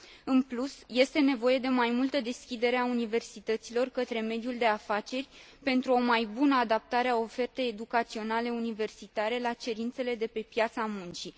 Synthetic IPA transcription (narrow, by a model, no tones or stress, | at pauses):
ɨnplusje̞st̪e̞ne̞vo̞je̞d̪e̞majmult̪əd̪e̞skʲid̪e̞ɾe̞aunive̞rsit̪ət̪silo̞rkət̪ɾe̞me̞d̪juld̪e̞afat͡ʃe̞rʲ | pe̞nt̪ɾuo̞majbunəad̪ap̚t̪aɾeao̞fe̞rt̪ejːed̪ukat̪sio̞nale̞unive̞rsit̪aɾe̞lat͡ʃe̞ɾint̪se̞le̞d̪e̞pe̞pjat̪samunt͡ʃi